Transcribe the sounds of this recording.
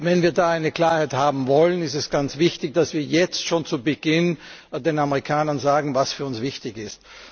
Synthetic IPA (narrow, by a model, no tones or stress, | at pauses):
vɛnviːɐdaːaɪnəkl̥aːɐhæɪthaːbm̩vɔlənɪstɛsɡ̥ant͡sv̥ɪçtɪçd̥asv̥iːɐjɛt͡stʃoːnt͡subəɡ̥ɪndeːnaməʁikʰaːnɐnzaːɡŋ̩vasfyːɐʊnsv̥ɪçtɪçɪst